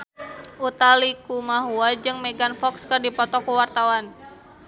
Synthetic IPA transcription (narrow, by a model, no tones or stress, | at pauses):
ʔut̪alikumaɦuad͡ʒɨŋmɛɡanfɔkskɨrdipɔt̪ɔkuwart̪awan